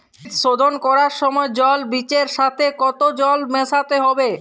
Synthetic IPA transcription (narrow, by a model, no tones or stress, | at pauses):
t̪ʃod̪ʱonkɔɾaɾʃɔmɔed͡ʑɔlbit͡ɕeɾʃat̪ʰekɔt̪od͡ʑɔlmɛsʰat̪eɦɔbe